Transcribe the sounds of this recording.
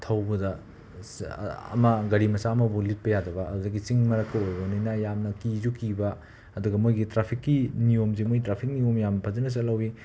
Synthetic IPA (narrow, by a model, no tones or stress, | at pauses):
tʰɐwbɐdɐ | ɐ̰mɐɡɐɾimɐsaːmɐbulit̚pɐjadɐbɐːdudɐɡit͡ʃiŋmɐɾɐkʰːɐojbɐninɐjamnɐkizukibɐː | duɡɐmojɡitɾapʰikːinijomzimojtɾapʰik̚nijomjamnɐpʰɐzɐnɐs̬alɐwi